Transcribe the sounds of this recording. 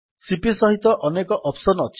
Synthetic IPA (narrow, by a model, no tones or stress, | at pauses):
sipisɔɦit̪ɔʔɔnekɔʔɔpsɔnɔt͡ʃʰ